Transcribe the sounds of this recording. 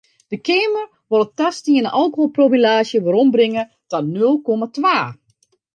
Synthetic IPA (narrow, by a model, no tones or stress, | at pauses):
d̥əkeːmər | ʋɔlˠətastiənəʔɔlˠkoɦolˠprovilaːʃjəʋəɾɔmbrɪŋə | tɔnøəlˠkomatʋaː